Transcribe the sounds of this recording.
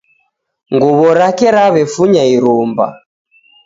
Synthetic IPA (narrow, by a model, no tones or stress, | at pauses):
ŋɡuβɔɾakɛɾaβɛfuɲaiɾumba̰